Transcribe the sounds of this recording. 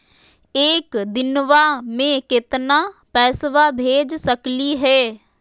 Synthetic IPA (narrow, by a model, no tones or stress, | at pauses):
eːkd̪ɪnʋamẽkɪt̪napɛːsʋabʱeːd͡ʒsəkliɦɛː